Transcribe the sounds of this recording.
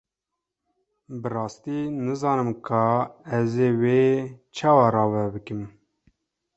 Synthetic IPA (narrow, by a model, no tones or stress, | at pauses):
bɨrɑːst̪iːnɨzɑːnɨmkʰɑːɛzeːweːt͡ʃʰɑːwɑrɑːvɛbɨkɨm